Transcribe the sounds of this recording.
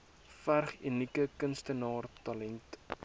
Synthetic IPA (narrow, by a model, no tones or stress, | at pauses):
færχynikəkənstənɑːrtɑlɛnt